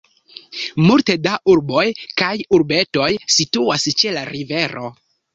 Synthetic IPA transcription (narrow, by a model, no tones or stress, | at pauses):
multedaʔuɾbo̞jkajuɾbe̞to̞jsituast͡ʃe̞laɾive̞ɾo̞